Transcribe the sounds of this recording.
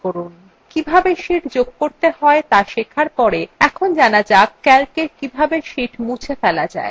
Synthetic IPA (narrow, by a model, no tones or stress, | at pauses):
oɾun | kibʱabeʃiʈd͡ʑoɡ̚koɾt̪ehɔet̪aʃekʰaɾpɔɾeɛkʰond͡ʑanad͡ʑakkːɛlkekibʱabeʃiʈmũt͡ɕʰefɛlad͡ʑa̰e